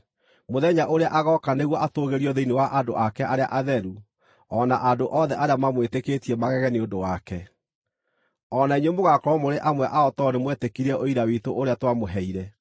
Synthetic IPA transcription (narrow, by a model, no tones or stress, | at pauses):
moðɛɲaʔoɾeaʔaɣɔkaneɣwɔʔatoːɣeɾiɔðeinewaʔado̰ʔakɛʔaɾea̰ʔaðɛɾu | ɔnaʔadoʔɔðɛʔaɾeamamweteketiɛmaɣɛɣɛneodowakɛ | ɔnaiɲwemoɣakɔɔmoɾeʔamwɛʔaɔtɔɾemwɛtekiɾɛʔoiɾawitoʔoɾeatwamoɦɛiɾɛ